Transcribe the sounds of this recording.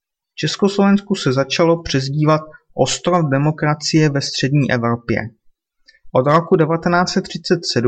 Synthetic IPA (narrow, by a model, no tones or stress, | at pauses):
ft͡ʃɛsko̞slo̞vɛnskusɛzat͡ʃalo̞pr̝̥ɛzɟiːvat̪̚ʔo̞st̪ɾofdɛmo̞kɾat͡sɪjɛvɛst̪r̝̥ɛdɲiːʔɛvɾopjɛ̰ | ʔo̞d̪ɾo̞kudɛvat̪ɛnaːt͡sɛt̪ːr̝̥ɪt͡sɛt̪sɛdu